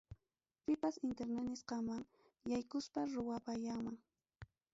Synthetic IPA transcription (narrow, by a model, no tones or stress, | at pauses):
pɪpasɪnt̪eɾnanɪsqɑmaŋ | jajkʊspaɾʊwapaʎaŋmaŋ